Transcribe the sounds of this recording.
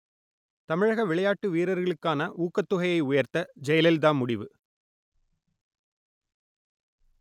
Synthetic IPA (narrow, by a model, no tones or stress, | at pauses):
t̪ɐmɪɻɐɣɐʋɪɭɐjaːʈːɯʋiːɾɐɾɣɐɭɯkːaːnɐʔuːkːɐt̪ːʊɣɐjɐɪʊjɐɾt̪ɐd͡ʒɐjɐlɛld̪aːmʊɽɪʋɯ